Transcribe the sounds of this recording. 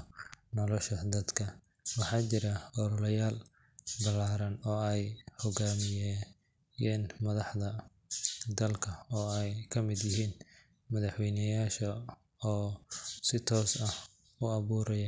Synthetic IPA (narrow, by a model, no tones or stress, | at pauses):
nɔlɔʃɐd̪ɐd̪kʰɐ | wɑħɑːt͡ʃɪɾɐɔɾɔlɐjaːl | bɐlaːɾɐnɔːɛjhɔɡaːmɪjɛ | jɛːnmɐðɑħðɐ | d̪ɐlkʰɐɔːɛjkʰɐmɪd̪jɪɦiːn | mɐðɑħwɛjnɐjaːʃɐ | ɔːsɪt̪ʰɔːsɐh | ʊɐβuːɾɐjɐ